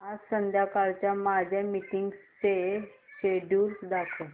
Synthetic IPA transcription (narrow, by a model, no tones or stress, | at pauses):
ɦad͡zsənd̪ʱjakaɾt͡ɕjamad͡ʑʱjamiʈiŋɡst͡seɕeɖuːɾd̪akʰə